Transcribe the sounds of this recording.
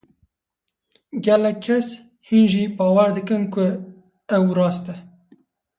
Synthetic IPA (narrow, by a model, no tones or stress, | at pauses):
ɡɛlɛkʰːɛs | hinʒibɑːwæɾd̪ɨkɨnkʊ | ɛwɾɑːst̪ɛ